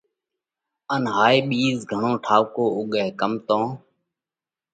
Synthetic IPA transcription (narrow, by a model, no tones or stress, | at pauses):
ənɦaːeːɓiːzɡʱəɳõːʈʰaːʋkoːʊɠeːkəmt̪õː